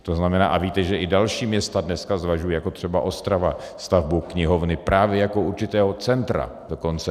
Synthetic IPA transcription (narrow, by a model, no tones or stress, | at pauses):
t̪oznamɛna̰ːʔaviːt̪ɛʒɛʔɪdalʃiːmɲɛst̪adnɛskazvaʒujɛjako̞t̪r̝̥ɛbaʔo̞st̪ɾava | st̪avbukɲɪɦovnɪpɾaːvjɛjako̞ʔuɾt͡ʃɪt̪ɛːɦo̞t͡sɛnt̪ɾa̰do̞ko̞nt͡sɛ